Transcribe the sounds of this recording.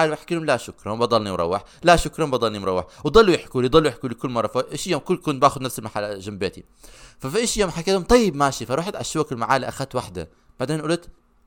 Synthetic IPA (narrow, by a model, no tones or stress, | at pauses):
aːlwʔaħkiːhʊmlaʃʊkɾˤɑbɑd̪ˤɑlnimɾˤɑ̰wːɪħ | laʃʊkɾˤɑbɑd̪ˤɑlnimɾˤɑwːɪħwd̪ˤɑlːujɪħkuːlijd̪ˤɑlːujɪħkulikʊlːmɑrˤːɑfaʔɪʃjoːmkʊkʊnt̪̚baːxʊd̪nafsɪlmaħalːaʒambeːt̪i | fafiʔɪʃjoːmħakːeːt̪hʊmt̪ˤɑjːɪbmaːʃifaɾˤuːħat̪ʕaʃːuwakɪlmaʕaːliʔaxat̪waħd̪a̰ | b̥aʕd̪eːnʔʊlt̪